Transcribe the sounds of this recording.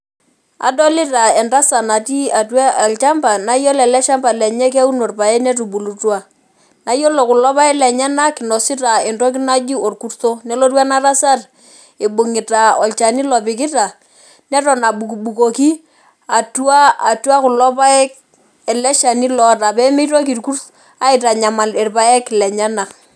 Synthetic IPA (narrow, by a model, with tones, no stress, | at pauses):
a̰˨dɔ˦lɪ˦ta˨ɛ˨nta˦sa˨na˨ti˦a˨twa˦a˨lt͡ʃa˦mba˨na˦jo˦lɛ˨lɛ˦ʃa˦mba˨lɛ˨ɲɛ˦k̬ɛ˦u˦no˨rpa˨ɛ˦nɛ˦t̬u˨bu˨lu˨twa˦ | na˨˦jo˦lo˨kʊ˨lɔ˦pa˦ɪ˦lɛ˨ɲɛ˦na˦kɪ˨nɔ˨sɪ˦ta˨ɪ˨ntɔ˦k̬ɪ˦na˦d͡ʒi˦o˨rku˦rto˦nɛ˦lo˦twa˦na˦ra˦sa˦r | ɪ˨bʊ˨ŋɪ˨ta˨ɔ˨lt͡ʃa˨ni˦lɔ˨pɪ˨k̬ɪ˦ta˨ | nɛ˦tɔ˨na˨bu˨kbu˨ko˨ki˦ | a˨tu˦a˦a˨tu˦a˦kʊ˨lɔ˦pa˦ | ɛ˨lɛ˦ʃa˨ni˦lɔ˨ta˨pɛ˦me˦to˦k̬i˨rku˦r | a˦ɪ˨ta˨ɲa˨ma˨lɪ˨rpa˦e˦kɪ˨lɛ˨ɲɛ˦na˨k